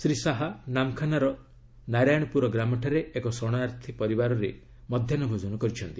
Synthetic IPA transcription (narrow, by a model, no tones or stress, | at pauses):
sɾisaɦanamkʰanaɾɔ | naɾajɽ̃ɔpuɾɔɡɾamɔʈʰaɾeːkɔsɔɽ̃aɾt̪ʰipɔɾibaɾɔɾe | mɔd̪ʱjanɔbʱod͡ʒɔnɔkɔɾit͡ʃʰɔnt̪i